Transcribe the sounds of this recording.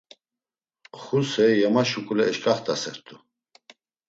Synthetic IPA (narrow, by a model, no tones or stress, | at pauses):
χusɛjɛmaʃukʼulɛːʃkʼaχt̪ʼasɛɾt̪ʰu